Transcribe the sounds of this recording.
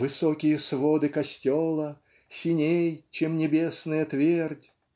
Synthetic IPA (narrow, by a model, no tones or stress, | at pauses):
vɨsokʲɪjəsvod̪ɨkɐsʲtʲolˠə | sʲɪnʲejt͡ɕemnʲɪbʲesnəjət̪vʲerdʲ